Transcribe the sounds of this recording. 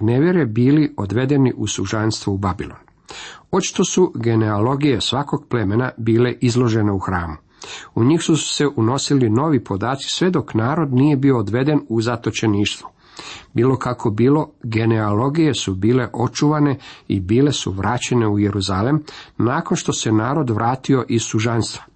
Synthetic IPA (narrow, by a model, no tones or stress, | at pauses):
neʋjeɾebiːlio̞d̪ʋe̞d̪e̞niʔusuʒanst̪ʋuubabilˠo̞̰n | o̞t͡ʃi̥t̪o̞suɡe̞neolo̞ɡije̞sʋako̞ɡple̞me̞nabiːle̞ʔizlˠo̞ʒe̞ne̞uxɾaːmu | uɲixsuse̞ʔuno̞silino̞ːʋipo̞d̪aːt̪si̥sʋe̞d̪o̞knaːɾo̞d̪niːje̞bio̞ːd̪ʋe̞d̪e̞nuzat̪o̞t͡ɕe̞niːʃt̪ʋu | biːlo̞kakʰo̞biːlo̞ɡe̞neolo̞ɡije̞subiːle̞ʔo̞t͡ʃuʋane̞ḭbiːle̞sṵʋɾʔaːt͡ɕe̞ne̞uje̞ɾuzalemnaːko̞nʃt̪o̞se̞naːɾo̞d̪ʋɾʔaːt̪io̞ʔisuʒanst̪ʋḁ